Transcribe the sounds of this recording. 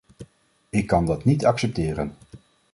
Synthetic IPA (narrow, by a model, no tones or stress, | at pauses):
ɪkːɑndɑtnitɑksɛp̚tɪːɾə̰n